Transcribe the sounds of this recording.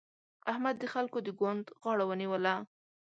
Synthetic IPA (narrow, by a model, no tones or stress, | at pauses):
ahmad̪ːəxalkod̪əɡwand̪ɣɑɽawəniwəla